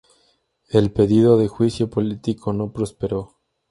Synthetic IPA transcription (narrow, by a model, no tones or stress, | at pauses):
e̞lpe̞ðiðo̞ðe̞xwisjo̞polit̪ikʰo̞no̞pɾo̞spe̞ɾo̞